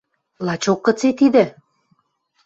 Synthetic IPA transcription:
lɑt͡ɕokːɤ̆t͡set̪id̪ɘ̆

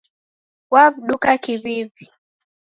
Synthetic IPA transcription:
waβɗukakiβivi

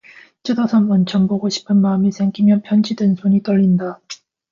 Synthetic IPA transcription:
t͡ɕʰedʰasʰʌnʌnt͡ɕʰʌmboɡoɕʰi̥pʰɯnmaːmisʰeŋɡimjʌpʰjʌnd͡ʑidwensʰoɲit͈ʌɭːinda

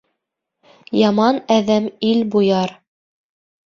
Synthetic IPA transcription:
jɑmɑnæðæmilbujɑɾ

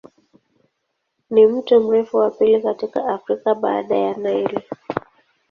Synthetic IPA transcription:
nim̩tɔm̩ɾɛfuwapilikatikaafɾikaɓa̰ːɗajanaiɾi

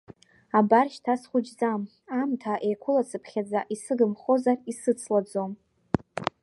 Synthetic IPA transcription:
abarʃtʰasχʷʊd͡ʒzam | amtʰaʔejkʷʰʊlasɨpʰχʲad͡zaʔisɨɡɨmχozarisɨt͡sʰlad͡zom

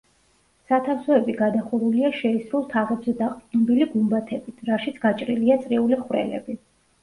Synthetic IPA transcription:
sat̪ʰafsɔɛbiɡad̪aχuɾuliaʃɛisɾulˠt̪ʰaʁɛbzɛd̪aqʼd̪nɔbiliɡumbat̪ʰɛbit̪ʰɾaʃit̪sʰɡ̥at͡ʃʼɾiliat̪sʼɾiuliχwɾɛ̰lɛ̰bi

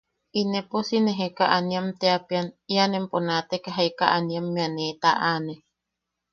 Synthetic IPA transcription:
ineposineɦekaʔaniamt̪eapianianemponat̪ekaɦajkaʔaniamːeanet̪aʔane

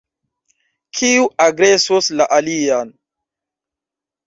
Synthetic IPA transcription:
kʰiuʔaɡɾesoslaʔalian

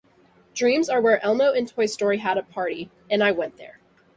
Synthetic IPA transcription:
d̥ɹĩmzə˞wə˞ʔɛlˠmoʊʔɨ̃ntʰɔɪstɔɹiəɾəpʰɑɹɾi | ɨ̃naɪwɛ̃nðə̰˞

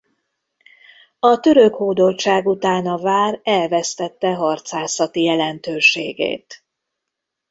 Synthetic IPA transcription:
ɒt̪ø̞ɾø̞khoːd̪o̞lt͡ʃaːɡut̪aːnɒvaːrɛlvɛst̪ɛt̪ːɛɦɒrt̪saːsɒt̪ijɛlɛnt̪øːʃeːɡḛːt̪

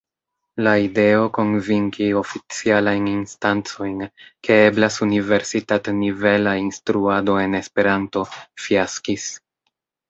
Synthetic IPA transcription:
laide̞o̞ko̞nviŋkio̞fit͡sialajninstant͡so̞jnkeeblasunive̞ɾsitatnive̞lainstɾuado̞e̞ne̞spe̞ɾanto̞fiaskis

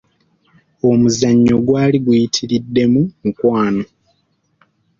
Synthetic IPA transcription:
o̞muzaɲːo̞ɡwaːliɡujitʰiɾidːe̞mumukwaːno̞

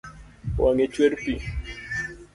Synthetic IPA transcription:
wʔaŋet͡ʃweɾpi

